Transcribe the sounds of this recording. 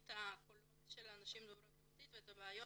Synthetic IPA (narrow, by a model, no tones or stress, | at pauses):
t̪akolotʃelanaʃimd̪oɾotot̪it̪veet̪abeajo